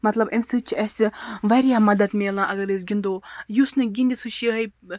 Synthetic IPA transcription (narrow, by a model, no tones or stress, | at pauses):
mɐt̪lɐbemsɨt͡ʃʰiɐsʲiʋaɾijaːmɐd̪ɐd̪meːlˠãːʔɐɡɐɾɨs̬ɡʲind̪oːjusnɨɡʲind̪isʰuʃiɦɐj